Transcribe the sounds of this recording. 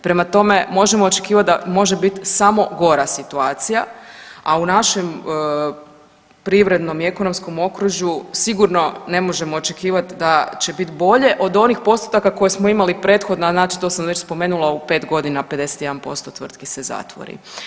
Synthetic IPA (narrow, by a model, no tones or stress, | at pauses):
pɾe̞mat̪o̞me̞mo̞ʒe̞moːt͡ʃe̞kiːʋat̪̚d̪amo̞ʒe̞bit̪samo̞ɡo̞ɾasit̪uaːt̪sijaaunaʃe̞m | pɾiʋɾe̞d̪no̞mie̞ko̞no̞msko̞mo̞kɾuʒusiɡuɾno̞ne̞mo̞ʒe̞mo̞ːt͡ʃe̞kiːʋat̪d̪at͡ɕe̞bit̪bo̞ʎe̞ʔo̞d̪o̞nixpo̞st̪u̥t̪akako̞jesmoimalipɾe̞t̪xo̞d̪naznaːt͡ʃi̥t̪o̞ːsamʋe̞t͡ɕspo̞me̞ːnulaupe̞ːt̪ɡo̞d̪inaped̪e̞set̪je̞d̪anpo̞̰st̪o̞t̪ʋr̩t̪kiseza̰t̪ʋo̰ɾḭ